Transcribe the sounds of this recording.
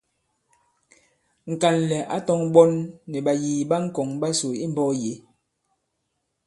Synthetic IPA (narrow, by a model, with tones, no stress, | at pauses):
ŋ̩˨ka˨nlɛ˨ʔa˦tɔ˦ŋɓɔ˦nːɛ˨ɓa˨jiː˨ɓa˦ŋ̩˦kɔ˨ŋɓa˦so˨i˦m˦bɔ˦je˨˦